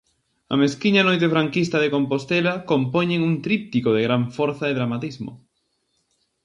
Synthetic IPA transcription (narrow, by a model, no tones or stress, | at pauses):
ɐ̰meskiɲanojt̪̬efɾaŋkist̪ɐðekompost̪elɐkompoɲeŋuŋt̪ɾip̚t̪ikoðeɣɾaɱfɔɾθaðeðɾamat̪izmo̰